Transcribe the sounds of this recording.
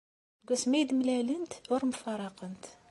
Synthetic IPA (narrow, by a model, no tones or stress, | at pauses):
ɡusmæjd̪mlælənt̪ʊɾmfɑɾˤɑqənt̪